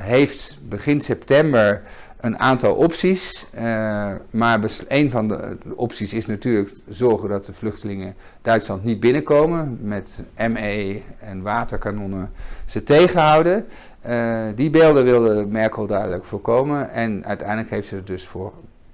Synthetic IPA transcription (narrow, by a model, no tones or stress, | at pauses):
ɦejftbəχɪnsɛptɛmbəɹ | ʔənʔaːntɑlˠʔɔpsis | maːɹbəejnvɑndəəʔɔpsisɪsnatyːɹlək | zɔɹχədɑt̚dəvlɵχtəlɪŋə | d̥œɥtslɑntnid̚bɪnəkowmənmɛtʔɛmejɛnʋaːtəɹkanɔnəz̥ətejχəɦɑwdə | dibeːlˠdəʋɪlˠdəmɛɹkəlˠdœɥdələkfʊːɹkowmənɛnœ̰ɥtɛjndələkɦejftsəət̚dɵsfʊːɹ